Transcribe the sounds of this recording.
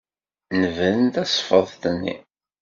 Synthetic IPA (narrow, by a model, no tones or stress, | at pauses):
nəvəðənt̪æsˤfəðˤt̪ənːḭ